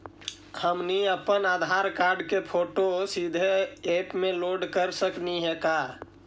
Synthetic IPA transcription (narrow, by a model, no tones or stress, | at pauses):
həmniəpənaːd̪ʱaːɾkaːɾɖkepʰoːʈosid̪ʱeeːpmẽloːɖkəɾsəkniɦɛka